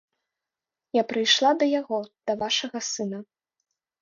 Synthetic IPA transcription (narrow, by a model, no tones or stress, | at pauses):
japɾɨjʂlˠad̪ɐjaɣɔd̪̥ɐvaʂɐɣɐsɨnɐ